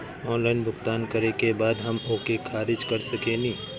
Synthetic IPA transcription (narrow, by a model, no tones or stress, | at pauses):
ɔːnlaːɪnbʊkt̪aːnkɐɾekebaːd̪ɦɐmʊkekʰaːɾɪd͡ʒkɐɾsɐkenĩː